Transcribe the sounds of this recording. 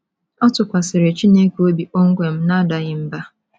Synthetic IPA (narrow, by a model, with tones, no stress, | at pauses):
ɔ˦tʊ˨kʷa˨sɪ˨ɾe˨t͡ʃi˦ne˦ko˦bi˨ʔo˦ŋ̩˦ɡʷe˨m̩˦na˦da˨ɣɪ˨m̩˦ba˦